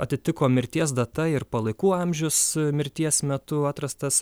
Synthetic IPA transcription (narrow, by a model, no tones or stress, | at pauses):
ɐt̪ʲɪt̪ʲɪkoːmʲɪɾʲt̪ʲiɛs̬d̪ɐt̪ɐɪɾpɐlˠɐɪkuːɑmʲʒʲʊsmʲɪɾʲt̪ʲiɛsmʲɛt̪ʊɑːt̪ɾɐst̪ɐs